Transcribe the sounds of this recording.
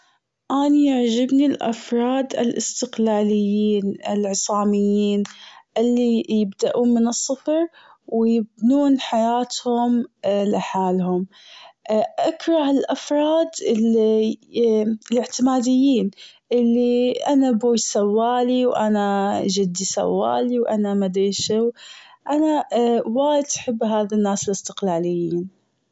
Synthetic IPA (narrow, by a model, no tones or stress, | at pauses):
ʔaːnijaʕd͡ʒɪbnilʔa̰fɾˤɑːd̪ɪ̰lʔɪst̪ɪqlaːlɪjːiːnʔɪ̰lʕɨsˤɑːmɪjːiːnʔɪlːijɪbd̪aʔuːnmɪnɨsˤːɨfɾ | wɪjɪbnuːnħajaːt̪hʊmlɪħaːlhʊm | ʔakɾˤɑhɪlʔafɾˤɑːd̪ɪ | lɪʕt̪ɪmaːd̪ɪjːiːnʔɪlːiʔanabuːjsawːaːliwʔa̰naʒɪd̪ːisa̰wːa̰ːliwʔanamad̪ɾiʃɪwʔanawaːjɪd̪ʔaħɪbːɦaːðanːaːsɪlɪst̪ɪqlaːlɪjːiːn